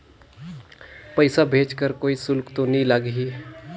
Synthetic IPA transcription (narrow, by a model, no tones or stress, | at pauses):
pəɪsabʱeːt͡ʃkəɾkoːisʊlkt̪onɐɦĩlaɡɦiː